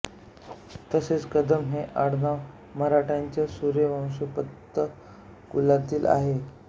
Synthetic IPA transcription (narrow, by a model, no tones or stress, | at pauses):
t̪əset͡skəd̪əmɦeʔaɽnaʋ | məɾaʈʰaɲt͡ɕjasuɾjəʋə̃w̃supət̪ːə | kulat̪iːla̰ɦe